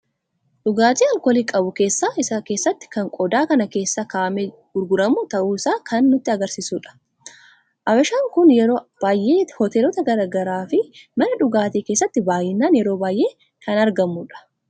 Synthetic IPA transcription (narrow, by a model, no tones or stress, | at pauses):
ᶑʊɡaːt̪iːɐlkɔliːkʼɐbʊke̞ːsːaːʔɪsɐke̞ːsːɐt̪ːɪ̥kɐŋkʼɔd̪aːkɐnɐke̞ːsːakaːʔmɛ | ɡʊɾɡʊɾɐmʊt̪ɐʔuːɪsaːkʰɐnːʊt̪ːɪɐɡɐɾsiːsuːᶑɐ̥ | ʔɐbɐʃaːŋkʊnjɛɾo̞ːb̥aːjʔeːhɔt̪eːlɔt̪ɐɡɐɾaːɡɐɾaːfɪmɐnɐᶑʊɡaːt̪eːkeːsːɐt̪ːɪbaːjɪnːaːnjɛɾoːbaːjʔe̞ː | kʰɐnɐɾɡɐmːuᶑɐ̥